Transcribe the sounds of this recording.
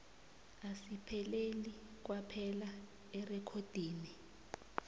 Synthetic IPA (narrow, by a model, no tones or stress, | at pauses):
asipʰɛleli | k̬wapʰɛla | ɛrɛkʰod̥ʱiːni